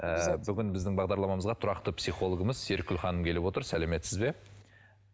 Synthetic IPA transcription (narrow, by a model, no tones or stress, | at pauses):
əbʏɡʲɪnbɪzd̪ɪŋbɑʁd̪ɑɾlˠɑmɑməzʁɑt̪ʰʊɾɑqt̪əpsijχo̞lˠoɡəməz̥se̞ɾkʲʰʏlχɑnəmkʲe̞lɪbwo̞t̪əɾsæleme̞t̪sɪzbe̞